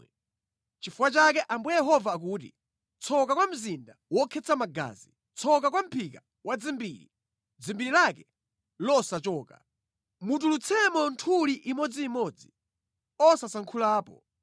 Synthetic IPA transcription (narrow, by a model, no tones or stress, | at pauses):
t͡ʃifuwat͡ʃak̬ɛʔambujɛɦɔvaːkuːtḭ | t͡sʰɔkakwam̩zindawɔkʰɛt͡sʰamaɡa̰ːzi | t͡sʰɔk̬ak̬wam̩pʰika | wʔad͡zimbiːɾi | d͡zimbiɾilakɛ | lɔsat͡ʃɔːka̰ | mut̬ulut͡sʰɛmɔntʰuliʔimɔd͡ziːmɔd͡zi | ɔsasaŋkʰulaːpɔ̰